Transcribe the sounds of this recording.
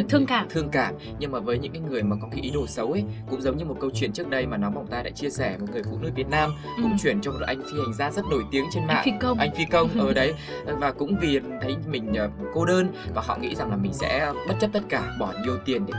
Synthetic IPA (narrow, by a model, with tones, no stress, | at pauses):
t̪ʰɨ˧əŋkaː˧˩t̪ʰɨ˧əŋkaː˧˩m | ɲɨ˧ŋmaː˨˩vəː˨˦jɲɨ̰˧˥ŋkaː˨˦jŋɨ˨˩əjmaː˨˩kɔ˨˦ki˨˦ʔi˨˦ɗo˧˩sə˨˦wʔkʊ̰˧˥ŋ͡mzə˨˦wɲɨ˧mo˨˩t̚kə˧wt͡ɕwḭ˧ənt͡ɕək̚ɗə˧jmaː˨˩nɔ˨˦ma˨˩wŋ͡mt̪aː˧jɗa̰ː˧˥t͡ɕi˧əsɛ˧˩mo˨˩t̚ŋɨ˨˩əjfṵ˧˨nɨ˧˥k̚vi˨˩ət̚naː˧m | kʊ̰˧˥ŋ͡mt͡ɕwi˧˩ənt͡ɕɔ˧m˨ʔa˧jŋ̟tʰi˧ha˨˩jŋ̟zaː˧zə˦˥t̚no˧˩jt̪i˨˦əŋt͡ɕe˧nma̰ː˧˨˧ə˧wʔa˧jŋ̟fi˧kə˧wŋ͡mʔəː˨˩ɗə˨˦j | vaː˨˩kʊ̰˧˥ŋ͡mvi˨˩t̪ʰə˨˦jmï˨˩ŋ̟ʔəː˨˩ko˧ɗəː˧nvaː˨˩ɦɔ̰˧˨ŋḭ˧˥za˨˩ŋlaː˨˩mï˨˩ŋ̟sɛ̰˧˥˧ɓə˦˥t̚t͡ɕə˦˥p̚t̪ə˦˥t̚kaː˧˩ɓɔ˧˩ɗi˧ə˧˩wt̪i˨˩ənɗe˧˩